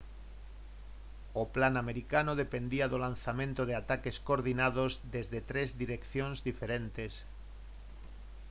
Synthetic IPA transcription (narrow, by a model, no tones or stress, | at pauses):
oplanameɾikanoðepend̪iaðolan̟θamẽnt̪oð̞eat̪akeskoɾðinað̞ozðezðet̪ɾezðiɾekθjõnzðifeɾent̪es